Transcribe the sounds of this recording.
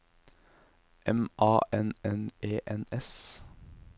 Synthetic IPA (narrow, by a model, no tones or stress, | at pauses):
ʔɛmʔɑːʔɛnɛneːʔɛnɛs